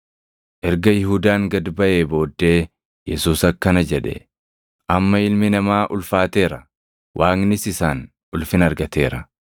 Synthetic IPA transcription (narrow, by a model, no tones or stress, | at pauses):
ʔɛɾɡɐjɪhʊd̪aːŋɡɐd̪bɐʔe̞ːbo̞ːd̪ːe̞ː | jɛsuːsɐkːɐnɐd͡ʒɛᶑɛ̰ | ʔɐmːɐɪlmɪnɐmaːʔʊlfaːt̪e̞ːɾɐ | wʔaːŋnɪsɪsaːn | ʊlfɪnɐɾɡɐt̪e̞̰ːɾɐ